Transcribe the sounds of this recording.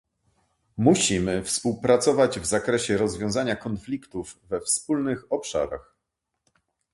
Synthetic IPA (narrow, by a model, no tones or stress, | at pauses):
muɕimɘfspuwpɾat̪sɔvad͡ʑvzakɾɛɕɛɾɔzvʲjɔ̃w̃zaɲakɔnflʲikt̪uvːɛfspulnɘxɔpʂa̰ɾa̰x